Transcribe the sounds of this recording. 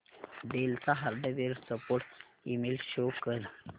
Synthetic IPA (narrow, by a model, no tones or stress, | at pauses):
ɖelt͡saɦɐɾɖəʋeɾsəpoɾʈ | imelɕoːkəɾ